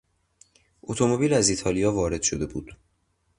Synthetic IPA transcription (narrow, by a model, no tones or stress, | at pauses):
ʔot̪ʰo̞mo̞biːlæzit̪ʰɒːlijɒːvɒːɾe̞d̪̥ʃod̪e̞bṵːd̪̥